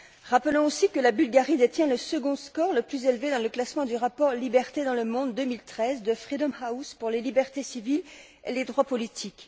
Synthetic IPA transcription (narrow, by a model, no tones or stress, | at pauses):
ʁapəlɔ̃osikəlabylɡaʁid̪et̪jɛ̃ləsəɡɔ̃skɔʁləplyzelved̪ɑ̃ləklasmɑ̃d̪yʁapɔʁlibɛʁt̪ed̪ɑ̃ləmɔ̃d̪ːəmilt̪χɛzd̪əfχid̪ɔmhawspuʁlelibɛʁt̪esivil | ḛled̪ʁwapɔlit̪ʰik